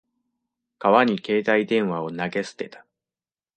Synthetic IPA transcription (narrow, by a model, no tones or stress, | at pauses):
kaβaɲ̟ike̞ːt̪aid̪ẽ̞ɰ̃βao̞naɡe̞sɨ̥t̪e̞t̪ḁ